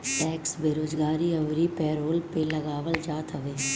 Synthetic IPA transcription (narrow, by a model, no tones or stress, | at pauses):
ʈɛːksbeːɾoːd͡ʒɡaːɾiɐʋɾipɛːɾoːlpelɐɡaːʋəld͡ʒaːt̪ɦəʋeː